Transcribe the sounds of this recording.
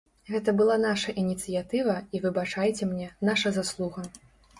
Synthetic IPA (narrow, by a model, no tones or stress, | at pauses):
ɣɛt̪ɐbɨlˠanaʂɐʔinʲit̪sɨjat̪ɨvɐivɨbat͡ʂajt͡sʲɛmnʲɛnaʂɐzaslˠuɣɐ